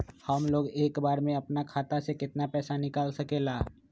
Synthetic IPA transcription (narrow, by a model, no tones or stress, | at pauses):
həmloːɡeːkbaːɾmẽɐpnakʰaːt̪asekɪt̪napɛːsanɪkaːlsɐkeːlaː